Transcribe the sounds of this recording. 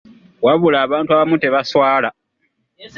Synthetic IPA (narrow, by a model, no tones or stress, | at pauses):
waβulaːβaːntuaβamuteβaswaːla